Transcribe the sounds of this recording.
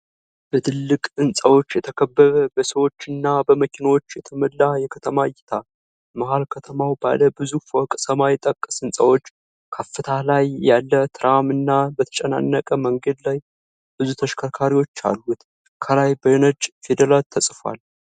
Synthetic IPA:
b̥ət̪ʰɨlːɨkʼɨnsʼəwo̞t͡ʃːjɛt̪ʰəkʰəbːəβəbəsəwo̞t͡ʃːɨnːabəməkinəwo̞t͡ʃːjɛt̪ʰəməlːajɛkʰət̪ʰəmajɪt̪ʰa | məhalkʰət̪ʰəmawba̰ləbɨzufokʼsəmajɪt̪ʼəkʼːə̥sɨnsʼəwo̞t͡ʃː | kʰəfːɨt̪ʰalajːalːət̪ʰɨɾamɨnːabət̪ʰə̥t͡ʃʼɛna̰nːəkʼəməŋɡəd̪laj | b̥ɨzut̪ʰəʃkʰəɾkʰaɾiwo̞t͡ʃːa̰lːut̪ | kʰəlajbəjnəd͡ʒfed̪əlalt̪ʰːəsʼfwa̰l

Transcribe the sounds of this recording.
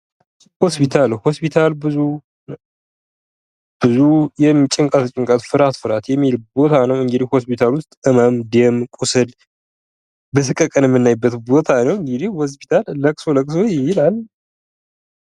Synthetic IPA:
ho̞spʰit̪ʰalho̞spʰit̪ʰalbɨzu | b̥ɨzujɛmit͡ʃʼɪŋkʼat̪ɨt͡ʃʼɪŋkʼat̪fɨɾat̪fɨɾat̪jɛmːilbo̞t̪ʰanəwɨŋɡɨd̪ihho̞spit̪ʰalwʊst̪ʼɨməmd̪emkʼusɨl | bəsɨkʼːəkʼənjɛmːɨnːajbːət̪bo̞t̪ʰanəwɨŋɡɨd̪ihhos̬pʰi̥t̪ʰalːəkʼsoləkʼsojɪjilalː

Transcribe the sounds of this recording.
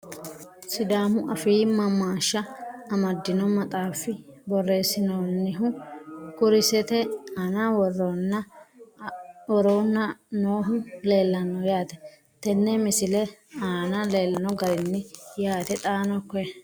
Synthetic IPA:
sɪd̪aːmʊʔɐfiːmɐmːaːʃːɐːmɐd̪ːɪnɔmɐt̪ʼaːfːɪbɔrːe̞ːsːɪnoːnːɪɦʊkʊɾɪsɛt̪ɛanawɔrːonːɐ | ɔɾoːnːɐnoːɦʊle̞ːlːɐnɔjaːt̪ɛ̥ | t̪ɛnːɛmɪsɪlɛaːnɐle̞ːlːɐnɔɡɐɾɪnːɪjaːt̪ɛt̪ʼaːnɔkːɔɛ

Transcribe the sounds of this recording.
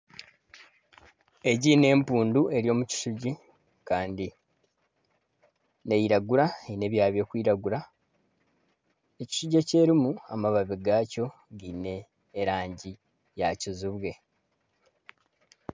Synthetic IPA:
e̞ɟine̞ːmpuːndue̞ɾjo̞ːmuci̥suɟi | kaːndi | ne̞jiɾaɡuɾaeine̞βjaːβjo̞ːkwiːɾaɡuɾa | eci̥suɟe̞ce̞ɾimuamaβaβiɡaːco̞ | ɡine̞ː | ɾaːɲɟi | jacizuβwe̞

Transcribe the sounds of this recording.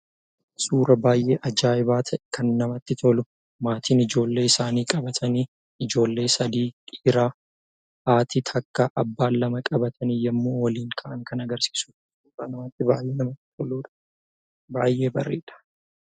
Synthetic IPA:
suːɾɐbaːjʔeːʔɐd͡ʒaːɪbaːt̪ʰɐʔɛkɐnːɐmɐt̪ːɪt̪ʰɔlʊ | maːt̪ʰiːnɪd͡ʒo̞ːlːe̞ːɪsaːniːkʼɐbɐt̪ʰɐniː | ɪd͡ʒo̞ːlːe̞ːsɐd̪iːkʼiːɾaː | ʔaːt̪iːt̪ʰɐkːɐʔɐbːaːlːɐmɐkʼɐbɐt̪ʰɐnijɐmːoːwɐliːŋkʰɐʔɐŋkɐnɐɡɐɾsi̥ːsuː | suːɾɐnɐmɐt̪ːɪbaːjʔeːnɐmɐt̪ːɪ̥t̪ʰɔluːᶑɐ̥ | baːjːe̞ːbɐrːeːᶑɐ̥

